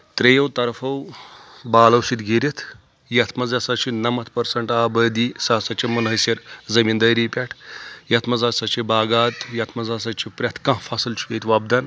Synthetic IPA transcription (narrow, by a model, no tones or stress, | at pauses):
t̪ɾejɐwt̪ɐɾfʰɐwbaːlɐwsit̪ɡiːɾit̪ʰ | jɐt̪ʰmɐzɐsat͡ʃʰinɐmɐt̪ʰpɐɾsɐɳʈaːbəd̪iːsasat͡ʃimɐnɦɐjsɐɾzɐmind̪ɐjɾiːpʲaʈʰjɐt̪ʰmɐzaːsat͡ʃibaːɡaːt̪jɐt̪ʰmɐzaːsat͡ʃipɾʲɐt̪ʰkãɦfʰasɐlt͡ʃʰu̥kejt̪ʋaːb̚d̪an